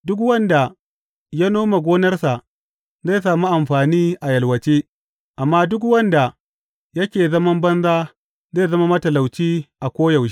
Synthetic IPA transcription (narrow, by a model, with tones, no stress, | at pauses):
dʊ˦k̬wɐ˦nda˨ | ja˦noː˦ma˨ɡʷoː˦nɐ˦rsa˨ʔ | za˦˨jsaː˨mu˦ʔa˨mɸaː˨niː˦ʔa˨jɐ˨lwɐ˨t͡ʃiː˦ | ʔa˨mːaː˦dʊ˦k̬wɐ˦nda˨ | jɐ˦kʲeː˨zɐ˦mɐ˦mbɐ˦nzaː˦ | za˦jzɐ˦ma˦mɐ˦tɐ˨la˨wt͡ʃiː˦ʔa˨kʷoː˦jɐ˨wʃ